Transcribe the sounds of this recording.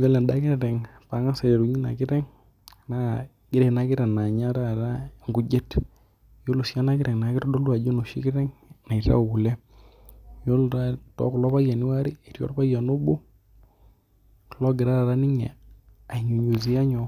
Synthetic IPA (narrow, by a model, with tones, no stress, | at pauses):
jo˦lɛ˨nda˦kɪ˦ɾɾɛ˨ŋpa˨˦ŋa˦sɛ˨ɛ˨ɾu˨ɲi˦na̰˨kɪ˦ɾɛ˦ŋ | na˦ | ɡ̥ɪ˦ɾɛ˨na˦ɡɪ˦ɾɛ˨na˨ɲa˦ɾa˦˨ɾa˦ŋɡu˦d͡ʒe˦t | jo˦lu˨sja˦na˦kɪ˦ɾɛ˨ŋna˨kɪ˦ɾɔ˦dɔ˦lwa˨d͡ʒo˦no˨ʃḭ˦kɪ˦ɾɛ˦ŋna˨i˨ɾa̰˦˨ɡu˨lɛ˦ | jo˦lɾa˦tɔ̰˨˦kʊ˨lɔ˦pa˦ja˨nɪ˦wa˦ɾi˦a˨i˨ɾjɔ̰˦pa˦ja˨no˦bu˦ | klɔ˦ɡɪ˨ɾa˦ɾa˨ɾa˦nɪ˦ɲɛ̰˨ | a˨ɲu˨ɲo˨zi˦a˦ɲɔ˨